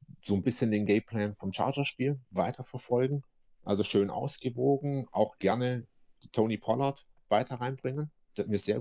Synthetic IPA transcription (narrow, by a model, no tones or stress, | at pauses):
z̥oːnbɪsçəndeːnɡɛɪpʰl̥ɛːnfɔmt͡ʃa̰ɐd͡ʒɐʃpiːlvaɪtʰɐfɛɐfɔlɡŋ̩ | ʔa̰lzoʃøːnʔa̰ʊsɡ̥əvoːɡŋ̩ʔa̰ʊxɡ̥ɛɐnə̥ | tʰoːnipʰɔlɐt | v̥aɪtʰɐʁaɪnbʁɪŋən | d̥amiːɐz̥eːɐ